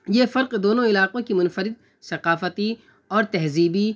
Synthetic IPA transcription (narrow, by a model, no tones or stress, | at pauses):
jefɐɾqd̪oːnõɪlaːqõkimʊnfəɾɪd̪̚ | sɐqaːfət̪i | ɔːɾt̪ɛɦziːbi